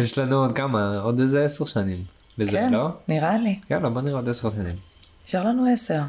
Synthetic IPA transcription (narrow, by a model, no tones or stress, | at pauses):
jeʃlanuod̪̚kamaod̪ezeeseʁʃanim | bekzeenloniʁalijalabo̞niʁeod̪eseʁʃanḭm | eʃaʁlanueseʁ